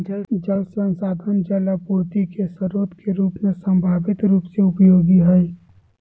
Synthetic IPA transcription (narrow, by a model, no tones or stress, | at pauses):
d͡ʒəld͡ʒəlseənsaːd̪ʱənd͡ʒɛːlapuːɾt̪ikesəɾoːt̪keɾuːpmesə̃mbʱaːʋɪt̪ɾuːpseʊpjoːɡiɦɛi